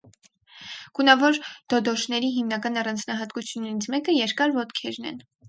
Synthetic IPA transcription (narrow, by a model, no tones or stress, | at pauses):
ɡ̥unɑvɔɾd̪̥ɔd̪ɔʃnɛɾiɦimnɑkɑnɑrɑnd͡znɑɦɑt̪kut͡sʰjunɛɾit͡sʰmɛkəjɛɾkɑɾvɔt̪kʰɛɾnɛ̰n